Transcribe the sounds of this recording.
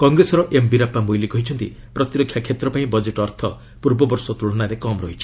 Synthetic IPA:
kɔŋɡɾesɔɾɔʔembiɾapamojlikɔɦit͡ʃʰɔnt̪ḭ | pɾɔt̪iɾɔkʰjakʰjet̪ɾɔpaĩbɔd͡ʒeʈɔɾt̪ʰɔ | puɾbɔbɔɾsɔt̪uɭɔnaɾekɔmɾɔɦit͡ʃʰi̥

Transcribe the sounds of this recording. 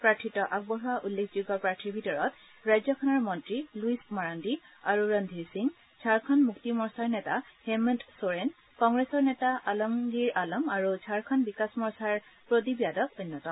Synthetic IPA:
pɹaɹtʰitɔʔak̚bɔɦɔwaʔulːekʰzuɡɔpɹaɹtʰibʱitɔɹɔt | ɹajzɔkʰɔnɔɹmɔntɹiluismaɹandi | aɹuɹəndʱisiŋ | zʰʱaɹkʰɔnmuktimɔɹsaɹnɛtahɛmɛntsoɹen | kɔŋɡɹesɔɹnɛtaʔalɔmɡiɹalɔmaɹud͡ʒʱaɹkʰɔnbikasmɔɹsaɹpɹot̬ibijadɔk̚ojnːɔtɔ

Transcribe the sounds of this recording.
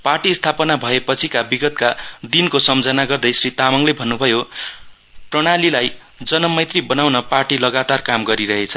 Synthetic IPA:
parʈist̪ʰapʌnabʱʌepʌt͡sʰikabiɡʌt̪kad̪inkosʌmd͡zʌnaɡʌrd̪ʌjsrit̪amʌŋlebʱʌnːubʱʌjo | prʌɽ̃alilaj | d͡zʌnʌmʌjt̪ribʌnawnʌparʈilʌɡat̪arkamɡʌɾiɾʌɦet͡sʰʌ

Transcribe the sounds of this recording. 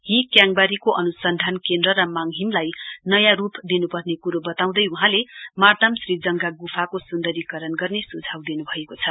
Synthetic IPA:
ɦikjaŋbaɾikoʔʌnusʌnd̪ʱankend̪rʌɾʌmaŋɦimlajnʌjãrupd̪inupʌrnekuɾobʌt̪aw̃d̪ʌjuɦãlemard̪amsrid͡zʌŋɡaɡufʰakosund̪ʌɾikʌɾʌnɡʌrnesud͡zʱawd̪inubʱʌekot͡sʰʌ

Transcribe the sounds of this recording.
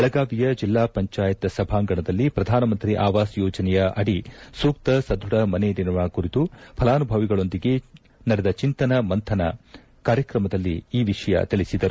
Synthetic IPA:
ɐɭɐɡaːʋijɐd͡ʒilːaːpɐɲt͡ʃaːjɐt̪ɐsɐbʱaːŋɡɐɳɐd̪ɐlːipɾɐd̪ʱaːnɐmɐnt̪ɾiʔaːʋaːsjɔːd͡ʒɐnɛjɐʔɐɽisuːk̚t̪ɐsɐd̪ʱuɽɐmɐned̪inɐʋɐkuɾit̪upʰɐlaːnubʱɐʋiɡɐɭo̞nd̪iɡe̞ | nɐɾɛd̪ɐt͡ʃint̪ɐnɐmɐnt̪ʰɐnɐ̰ | kaːɾjɐkɾɐmɐd̪ɐlːiːʋiʂɐjɐ̰t̪iɭisid̪ɐɾu

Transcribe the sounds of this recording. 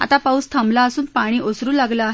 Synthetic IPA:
a̰t̪apawst̪ʰəmlaəsuːnpaɽ̃iːʔosɾuːlaɡlaːɦ

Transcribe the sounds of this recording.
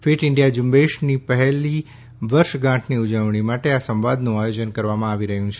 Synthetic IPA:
fiʈɪɳɖijad͡ʒũmbeʃnipəɦɛli | ʋəɾʃɡãʈʰniud͡ʒəʋɳimaʈeasə̃mʋad̪nũajod͡ʒənkəɾʋamãaʋiɾəɦjũt͡ʃʰe

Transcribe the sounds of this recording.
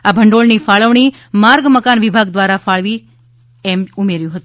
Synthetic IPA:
abʱəɳɖoɭnifaɭəʋɳ̃i | maɾɡməkanʋibʱaɡ̚d̪ʋaɾafaɭʋi | emumeɾjũɦət̪ũ

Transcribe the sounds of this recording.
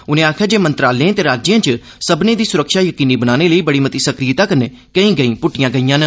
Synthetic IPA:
ʊnẽːaːkʰjaːd͡ʒeːmə̃nt̪ɾaːlẽt̪eːɾaːd͡ʒɪjãːt͡ʃə | səbneːd̪iːsʊɾəkʃaːjəkiːniːbənaːneːləiːbəɽiːmət̪iːsəkɾiːt̪aːkəɾneː | kəĩːɡəĩːpʊʈːɪjãːɡəijãːnə

